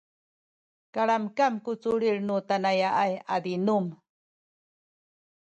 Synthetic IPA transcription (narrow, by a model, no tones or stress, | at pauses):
kaɭamkamkut͡suɭiɭnutanajaajadinum